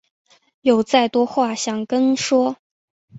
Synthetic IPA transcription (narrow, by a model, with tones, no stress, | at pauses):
jo˨˩ʊt͡sa˥˩ɪt̪wɔ˥xwa˥˩ɕjɑ˨˩ŋkə˥nʂwɔ˥